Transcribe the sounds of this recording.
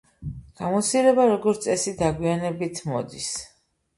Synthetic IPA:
ɡ̥amɔt̪siɾɛbaɾɔɡɔɾt̪sʼɛsid̪aɡwianɛbit̪ʰmɔ̰d̪is

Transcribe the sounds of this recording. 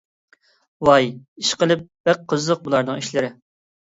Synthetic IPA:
wɑjiʃqəlˠɨp̚b̥ɛk̚qʰːəzləq̚bulˠɑɾnɨŋiʃlɪɾɪ

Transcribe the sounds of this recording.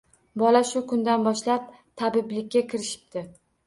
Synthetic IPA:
bɒlaʃʊkʰʊnd̪anbɒʃlap̚ | t̪ʰabɪblɪkʲːakʲʰɪɾɪʃɪ̥p̚t̪ʰɪ

